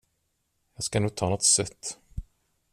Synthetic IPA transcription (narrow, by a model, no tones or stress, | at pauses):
jɑːɡskanuːɡ̚t̪ʰɑːnɔt̪sœt̪ː